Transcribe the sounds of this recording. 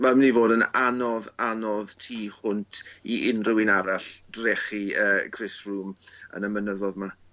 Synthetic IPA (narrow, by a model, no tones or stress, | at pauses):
vɛlˠmnivoːdənanɔðanɔðtʰiːhʊntʰiʔɪnrɪwɪnaɾaɬdrɛχiəːkʰrɪsruːmə̰nəmənəðɔðma